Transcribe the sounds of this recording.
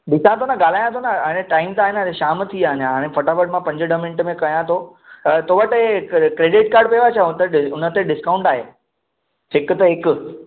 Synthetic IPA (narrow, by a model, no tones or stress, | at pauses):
bɪsãt̪ʰonəɡaːl̤aːjãt̪ʰonaənẽʈaːɪmt̪aːɦɪeneʃaːmt̪ʰiaːnjãaːɽ̃ẽfɐʈafəɖmãpɐ̃ɲd͡ʑəɖəmɪ̃ɳʈmẽkɐjãt̪ʰo | t̪oːʋəʈekɾeːɖɪʈkaːɾɖpeʋat͡ɕʰaʊt̪eʊnət̪eɖɪskaːʊ̃ɳʈaːɦḛː | hɪkt̪əɦɪkʊ